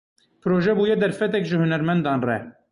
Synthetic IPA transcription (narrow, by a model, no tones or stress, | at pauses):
pʰɨɾoːʒɛbuːjɛd̪ɛɾfɛt̪ɛkʒɨhunɛɾmɛnd̪ɑːnrɛ̰